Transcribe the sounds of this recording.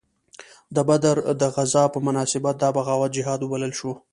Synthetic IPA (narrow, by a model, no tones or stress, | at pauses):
d̪əbad̪aɾd̪əɣazɑpəmʊnɑsɪbat̪̚d̪ɑbaɣɑwat̪̚d͡ʒɪɦɑd̪ubaləlʃu